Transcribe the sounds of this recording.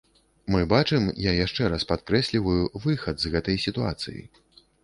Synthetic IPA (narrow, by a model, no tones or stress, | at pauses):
mɨbat͡ʂɨmjajaʂt͡ʂɛɾaspat̪kɾɛsʲlʲivɐjuvɨxɐd̪zɣɛt̪ɐjsʲit̪ua̰t̪sɨ̰jḭ